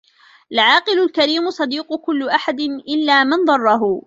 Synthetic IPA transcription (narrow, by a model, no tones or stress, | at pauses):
laʕɑːqɨlʊlkaɾiːmʊsˤɑd̪iːqʊkʊlːʊʔaħad̪ɪnʔɪlːaːmɪnd̪ˤɑrˤːɑɦʊ